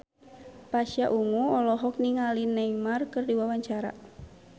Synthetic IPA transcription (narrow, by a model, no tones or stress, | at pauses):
paʃjaʔuŋuɔlɔɦɔk̚niŋalinɛjmarkɨrdiwawaɲt͡ʃaɾa̰